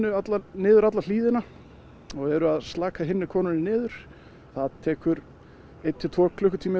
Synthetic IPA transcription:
ʏat̪lanɪːðʏɾat̪lal̥iːðɪna | ɔɣɛɾʏaðst̪laːkaɦɪnːɪkʰɔːnʏnɪnɪːðʏɾ̥ | θaðt̪ʰɛːkʏɾ | ejt̪ʰːɪlt̪ʰɔːkʰlʏhkʏt̪ʰiːmɪ

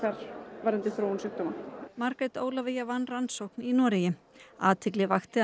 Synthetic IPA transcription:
kaɾ̥vaɾɛnt̪ɪθɾoːwnsʏkt̪ɔmamaɾkɛt̪oːwlavejavanːransowhkninɔːɾɪjɪ | aːt̪ʰɪklɪvaxt̪ɪ

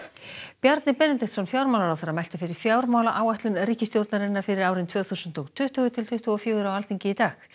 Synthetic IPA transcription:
pjaɾt̪nɪpɛnɪt̪ɪxt̪sɔnfjawɾmawlaɾawθeɾːamɛjlt̪afɪɾɪɾ̥fjaːwɾmaːwlaʔaːwaht̪lʏnriːcɪst̪jowɾt̪naɾɪnːaɾ̥fɪɾɪɾaːwɾɪnt̪ʰvœːθusʏnt̪ɔɣt̪ʰʏht̪ʏːɣʏt̪ʰɪlt̪ʰʏht̪ʏɣɔfjʏːɣʏɾawalt̪ʰiɲcɪit̪aːx

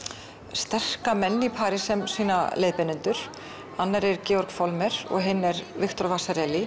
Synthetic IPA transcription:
st̪ɛr̥kamɛnːipʰaːɾɪsɛmsiːna̰lejðpɪnʏnt̪ʏɾ̥ | anːaɾɛɾcɛːɔɾkfɔlmɛɾɔ̰ɣɦɪnːɛɾvɪxt̪ɔɾvaːsaɾɛli

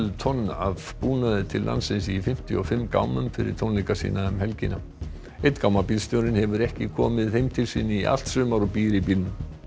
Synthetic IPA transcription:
lt̪ʰɔnːavpuːnaðɪt̪ʰɪlːʔa̰nsɪnsifɪm̥t̪jʏ̰ɔfɪmːka̰wmʏmfɪɾɪ̰ɾ̥t̪ʰownejkasḭːnaɛmhɛlcɪna | ejt̪kawmapilst̪jowɾɪnhɛvʏɾɛhcɪkʰɔ̰ːmɪðejmt̪ʰɪlsiːnːɪiʔa̰l̥t̪sʏːmaɾɔpiːɾɪpilnʏm

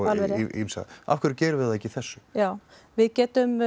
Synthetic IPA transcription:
alvɛɾḭmsa̰a̰fkʰʏɾcɛːɾʏvɪðaɛcɪiθɛsːʏ̥jaːw | vɪðcɛːt̪ʏm

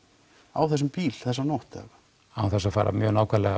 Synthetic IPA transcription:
a̰wθɛs̬ʏmpiːlθɛsːanɔwht̪ɛ̰vḁ | awθɛsːafaːɾʔa̰mjœːɣnaːwkʰvɛɾlɛɣa

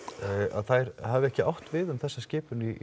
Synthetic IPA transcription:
a̰ðθajɾhavɛhcɪa̰wht̪vɪðʏmθɛsːascɪːpʏni

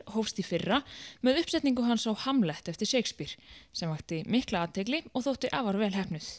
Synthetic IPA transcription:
howfst̪ifɪrːamɛðʏhpsɛt̪niŋk̬ʏɦansawhamlɛht̪ɛft̪ɪɾ̥seːjkspiɾ̥sɛmvaht̪ɪmɪhklaaːt̪ʰejklɪɔɣθowht̪ɪʔaːvaɾvɛːlɦɛhpnʏθ

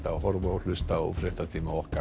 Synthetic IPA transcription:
t̪ahɔɾvaɔlʏst̪aɔ̰fɾɪht̪at̪ʰiːmaɔhka

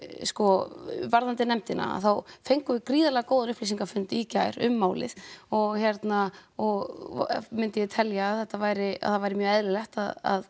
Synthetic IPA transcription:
skɔvaɾðant̪ɪnɛmt̪ɪna̰a̰θawfejŋkʏvɪkɾiːðalɛɣakowðanʏhplis̬iŋkafʏnt̪icaːjɾʏmːaːwlɪ̰ð̥ɔɣçɛɾt̪naɔɣ | mɪnt̪ɪjɛt̪ʰɛljaːðθɛht̪ːavajɾɪa̰θaðvajɾɪmjœːɣɛðlɪlɛht̪a̰ða̰ð

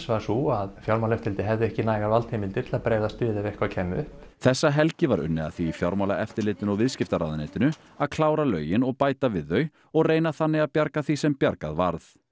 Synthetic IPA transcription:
svasuaðfjawɾmawlɛft̪ɪɾlt̪ɪɦɛvðʏɛhcɪnaːjɣaɾvalt̪ʰejmɪnt̪iɾ̥t̪lapɾeːjðast̪ʏːðɪvɛhkvawcʰɛnːʏhpθɛsːaɦɛlcɪvaɾʏ̰nːɪ̰a̰θiːfjawɾmawlaʔɛft̪ɪɾlɪːt̪ɪnɔɣvɪðscɪft̪aɾa̰ːðnḛːt̪ɪnʏ | aðkʰlaːwɾalœ̰ːɥjɪnɔɣpaːjt̪avɪðːœɥ | ɔɣreːjnaθanːɪɣaðpjaɾkaθisɛmpjaɾka̰ðva̰ɾθ

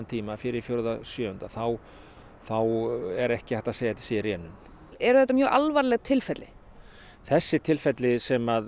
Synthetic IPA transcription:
nt̪ʰiːmafɪɾɪɾfjoɾðasjœːhʏnt̪aθaw | θawɛɾɛhcɪθɛht̪aðseːjt̪ːɪ̥srjɛːnʏm | ɛɾʏθɛht̪̬ːamjœːɣʔalvaɾlɛɣt̪ʰɪlfɛt̪lɪ | θɛsːɪt̪ʰɪlfɛt̪lɪsɛmað

